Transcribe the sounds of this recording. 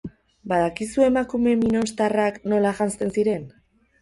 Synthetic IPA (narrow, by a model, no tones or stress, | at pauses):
baðakisue̞makume̞mino̞nst̪arakno̞laʝanst̪e̞nsiɾe̞n